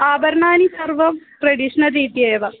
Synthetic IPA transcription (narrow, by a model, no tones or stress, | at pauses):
aːbɐɾɳaːnisɐrʋɐmʈɾeɖiʂnɐɾiːt̪ieːʋɐ